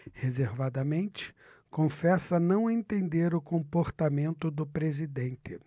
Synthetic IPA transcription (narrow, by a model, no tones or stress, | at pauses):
hezeɾvad̪ɐmẽnt͡ʃɪ̥ | kõfɛsɐnɐ̃w̃ẽnt̪ẽnd̪eɾʊkõmpoɾt̪amẽnt̪ʊd̪ʊpɾezid̪ẽnt̪ɪ